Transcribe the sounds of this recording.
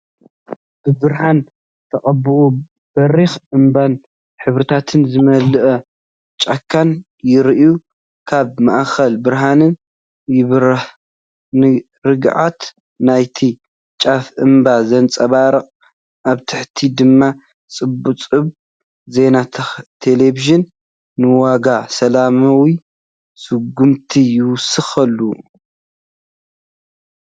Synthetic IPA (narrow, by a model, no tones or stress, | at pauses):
b̥ɨbɨɾɦan | t̪ʰɐχʼɐbɨʔu | b̥ɐɾixʔɨmban | ħɨβɾɨt̪ʰat̪ʰɨnzɨmɐlɨʔɐ | t͡ʃʼakʰːan | jɪɾʔju | kʰaβmaʔxɐlbɨɾɦanɨn | jɪβɾɨħ | nɨ | ɾɨɡʕat̪ | najt̪ʰi | t͡ʃʼafʔɨmbazɐnt͡sʼɐβaɾɐqʼ | ʔaβt̪ʰɨħt̪ʰid̪ɨmːa | t͡sʼɨbːut͡sʼɨβ | ze̞nat̪ʰeleβiʒɨnː | ɨwaɡasɐlamawi | sɨɡːumt̪ʰijɪwʊsɨxɐlːu